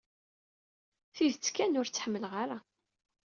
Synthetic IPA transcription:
θiðt͡sːkænʊɾt͡sːħəmːəlʁaɾa

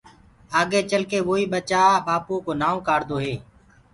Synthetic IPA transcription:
aːɡeːt͡ʃəlkeːʋoːiːɓət͡ʃaːbaːpõːkoːnaːõːkaːɾd̪oːɦeː

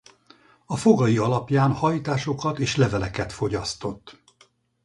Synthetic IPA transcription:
ɒfo̞ɡɒjiɒlɒpjaːnhɒjt̪aːʃo̞kɒt̪eːʃlɛvɛlɛkɛt̪fo̞ɟɒst̪o̞t̪ː

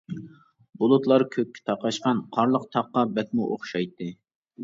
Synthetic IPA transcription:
bʊlˠʊt̪lˠɑɾkʲʰøkʲʰːɪ̥t̪ʰɑqɑʃqɑnqʰɑɾlˠəq̚t̪ʰɑqːɑbɛk̪̚ʲmuʔoχʃɑjt̪ʰːɨ

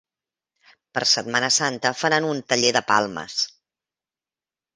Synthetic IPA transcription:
pəɾsət̪̚manəsant̪əfəɾanunt̪əʎeðəpa̰lˠmə̰s

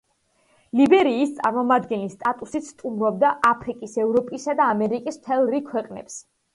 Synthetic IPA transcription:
libɛɾiːst̪sʼa̰ɾmɔmad̪ɡɛnlist̪ʼat̪ʼusit̪st̪ʼumɾɔb̚d̪aʔapʰɾikʼisɛvɾɔpʼisad̪aːmɛɾikʼismt̪ʰɛlˠɾikʰwɛqʼnɛ̰ps

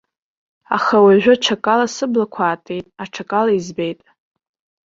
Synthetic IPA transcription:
a̰χawaʒᶣʊʈ͡ʂʰakʼalasɨblakʷʰaːtʼe̞jtʼaʈ͡ʂʰakʼalaizbejtʼ

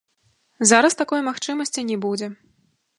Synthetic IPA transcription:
zaɾɐst̪akɔjmaxt͡ʂɨmɐsʲt͡sʲinʲɛbud͡zʲɛ

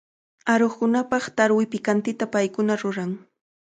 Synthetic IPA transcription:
aɾoχkʊnapɑχt̪aɾwɪpɪkant̪ɪt̪apajkʊnaɾʊɾaŋ

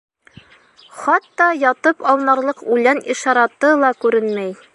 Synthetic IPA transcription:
χɑt̪ːɑjɑt̪ɤpɑlˠnɑɾlˠɤqʉjlæniʃɑɾɑt̪ɤlˠɑkʉɾɘnmæj

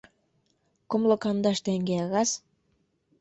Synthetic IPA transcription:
komlŏkɑnd̪ɑʃt̪eŋɡeɑɣɑs

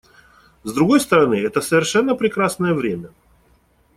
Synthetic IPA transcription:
zd̪ɾʊɡo̞jst̪əɾɐnɨɛt̪əsəvʲɪrʂɛnːəpɾʲɪkɾasnəjəvɾʲemʲə

